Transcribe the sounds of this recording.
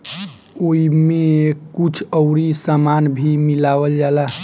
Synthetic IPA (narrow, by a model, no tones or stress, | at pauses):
oimekut͡ʃʰəʊɾisamanbʱimilaʋəld͡ʒala